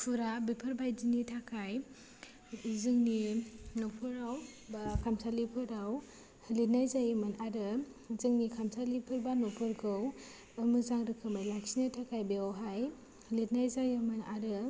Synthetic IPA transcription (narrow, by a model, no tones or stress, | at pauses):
pʰuɾabipʰɯɾbajzinitʰakʰaj | zɯŋninɔpʰɯɾawbakʰamsalipʰɯɾaw | hɯlit̚najzajɯmɯnaɾɯ | zɯŋnikʰamsalipʰɯɾbanɔpʰɯɾɡɯw | ɯmɯzaŋɾɯkʰɯmajlajksinatʰakʰajbeaɦaj | hɯlit̚najzajɯmɯnaɾɯ